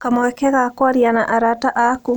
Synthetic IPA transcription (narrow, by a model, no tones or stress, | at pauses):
kamowɛkɛɣakwaɾjanaʔaɾataʔaku